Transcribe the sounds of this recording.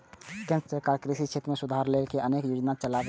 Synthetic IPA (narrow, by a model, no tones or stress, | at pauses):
ɡə̃nssekaɾkɾisit͡ʃʰet̪ɾmẽsʊd̪ʱaɾlekeʔəneːkjoːd͡ʒnat͡ʃəlaɡ